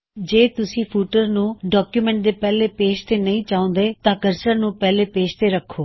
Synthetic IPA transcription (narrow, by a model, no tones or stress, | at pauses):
d͡ʒeːt̪ʊsĩːpʰuːʈəɾnũːɖɔːkjuːmɛ̃ːɳʈ̚d̪eːpɛːleːpeːʃt̪eːnəĩːt͡ʃaːõːnd̪eːt̪ãːkəɾsəɾnũːpɛːleːpeːʃt̪eːɾəkʰːoː